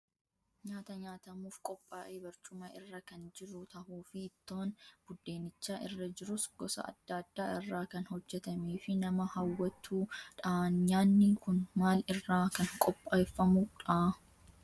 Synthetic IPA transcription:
ɲaːt̪ɐɲaːt̪ɐmuːfkʼɔpʼːaːʔeːbɐɾt͡ʃʼʊmɐɪrːɐkɐnd͡ʒɪɾʊt̪ɐhuːfɪːt̪ːoːnb̥ʊd̪ːeːnɪt͡ʃːaːʔɪrːɐd͡ʒɪɾʊsɡ̥ɔsɐ̰ɐ̰d̪̥ːɐːd̪ːaːɪrːaːkɐnhɔd͡ʒːɛt̪ɐmeːfɪnɐmɐhɐwːɐt̪ʰːuːᶑaːnɲaːnːɪkʊnmaːlɪrːaːkɐŋkʼɔpʼːaːfːɐmʊᶑaː

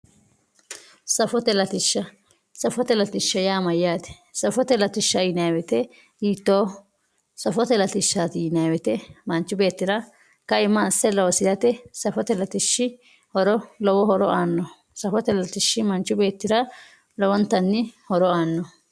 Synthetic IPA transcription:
sɐfɔt̪ɛlɐt̪ɪʃːɐ | sɐfɔt̪ɛlɐt̪ɪʃːɐjaːmɐjːaːt̪ɛ̥ | sɐfɔt̪ɛlɐt̪ɪʃːɐɪnaːwɛt̪ɛ | jiːt̪ːoː | sɐfɔt̪ɛlɐt̪ɪʃːat̪ɪɪnaːwɛt̪ɛmɐnt͡ʃːʊbe̞ːt̪ːɪɾɐ | kɐɪmːɐsːɛlɔwɔsɪd̪ɐt̪ɛsɐfɔt̪ɛlɐt̪ɪʃːɪ | hɔɾɔlɔwɔhɔɾɔʔaːnːɔ | sɐfɔt̪ɛlɐt̪ɪʃːɪmɐnt͡ʃːʊbe̞ːt̪ːɪɾɐ | lɔwɔnt̪ːɐnːɪhɔɾɔaːnːɔ

